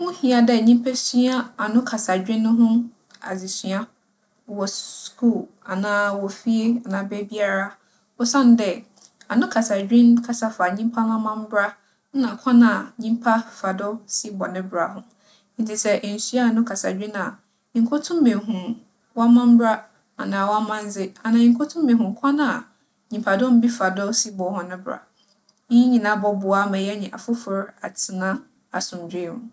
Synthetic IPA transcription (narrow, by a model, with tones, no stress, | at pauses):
mʊ̃˦hĩ˨a˨dɛ˨ɲĩ˦m˦pʰæ˦sɥa˦a˨nʊ̃˦kʰa˨sa˨d͡ʑᶣɪ̃˦nʊ̃˦ɦʊ̃˦ | a̰˨d͡zi˨sɥa˦˨ | wɔ˨skʰu˦˨l | a˨nãː˦wɔ˨fi˦e˦a˨nã˨bɛ˦bi˦a˦ɾa˦ | ɔ˦sã˦n˦dɛ˨ | a˨nʊ̃˦kʰa˨sa˨d͡ʑᶣɪ̃˦nkʰa˦sa˦fa˨ɲĩ˦m˦pʰa˦n˦ã˦mã˦m˦bɾa˦ | nã˨kʷʰã˦nã˨ɲĩ˦m˦pʰa˦fa˨dʊ˦si˦bɔ˨nɪ̃˦bɾa˨ɦʊ̃˦ | n̩˨tʰi˨sɛ˦ʔn̩˨sɥa˦˨nʊ̃˦kʰa˨sa˨d͡ʑᶣĩ˦nã˨ | ŋ̩˦kʰʊ˦tʰʊ̃˦mmẽ˨ɦũ˨ | wa˦mã˦m˦bɾa˦ | a˨nã˨wa˦mã˦n˦zɪ˦a˨nã˨ɲɪ̃˨ŋkʰʊ˦tʰʊ̃˦m˦mẽ˨ɦũ˨kʷʰã˦nãa˨ | ɲĩ˨pʰa˨dʊ˦m̩˦bi˦fa˨dʊ˦si˦bɔ˨hʊ̃˨nɪ̃˦bɾa̰˨ | ĩ˦ɲĩ˨nã˦bɔ˦bʊ˨a˦mã˨jɛ˦ɲĩ˨ʔa˨fʊ˦fʊ˨ɾa˨tʰɪ˨nã˦ | a˨sʊ̃˨md͡ʑᶣi˦nṵ̃˨